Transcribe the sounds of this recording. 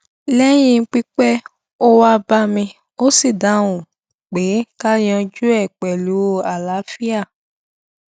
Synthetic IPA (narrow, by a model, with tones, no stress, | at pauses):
lɛ˦j̃ĩ˧˦k͡pi˦k͡pɛ˦ | o˦wa˧ba˧mĩ˧ | o˦si˦˨da˨˦wũ˨ | k͡pe˨˦ka˦j̃ɔ̃˧d͡ʒu˦ɛ˦˨k͡pɛ˨lu˨˦o˦˨a˨la˨˦fi˦a˦˨